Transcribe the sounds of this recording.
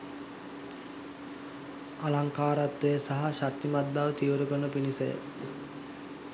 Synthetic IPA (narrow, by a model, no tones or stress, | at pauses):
alaŋkaːɾat̪ːəjəsaɦaʃat̪ːimad̪̚baʋət̪iuɾukənəpinisə̰jə̰